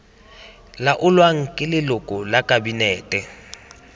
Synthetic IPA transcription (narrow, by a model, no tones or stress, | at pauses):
laʔʊlwaŋ̩kʼɪlɪlʊkʼʊlakʼabinɛːtʼɛ